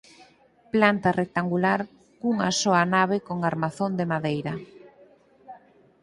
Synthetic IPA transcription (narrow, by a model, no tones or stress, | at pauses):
plant̪arek̚t̪aŋɡulaɾ | kuŋa̰sɔanaβekoŋaɾmaθond̪emaðejɾɐ